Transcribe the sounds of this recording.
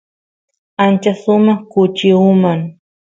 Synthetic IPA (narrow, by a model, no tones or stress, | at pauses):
ant͡ʃasʊmɑχkʊt͡ʃɪʊmaŋ